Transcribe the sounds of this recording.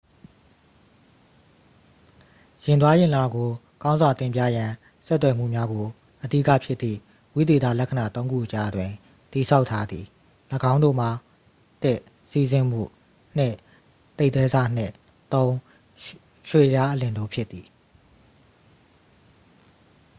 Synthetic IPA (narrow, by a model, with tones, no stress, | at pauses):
jɪ̃˨nt̪wa˦jɪ̃˨la˨ɡo˨ | kã˦ʊ̃nzwa˨t̪ɪ̃˨mpja̰˦˨jã˨ | sɛ˦t̪̬ːwɛ˨m̥ṵ˦˨mja˦ɡo˨ | ʔədḭ˦kä̰˦˨pʰjɪ˦t̪t̪ːðḭ˦˨ | wi˦d̪e˨t̪a̰˦˨lɛ˦kʰə˨na˨t̪õ˦ʊ̃ŋɡṵ˦˨ʔət͡ɕa˨ʔdwɪ̃˨ | t̪i˨sʰa˦ʊʔtʰːa˦d̪ði˨ | ləɡã˦ʊ̃ndo̰˦˨m̥a˨ | t̪ɪ˦ʔ | si˦˨zɪ̃˦˨m̥ṵ˦˨ | n̥ɪ̃˦˨ʔ | t̪e˦ɪʔt̪wɛ˦za˦n̥ɪ̰̃˦˨ | t̪õ˦ʊ̃ | ʃwe˦˨ja˦ʔəlɪ̃˨ndo˦˨pʰjɪ˦t̪ːi˨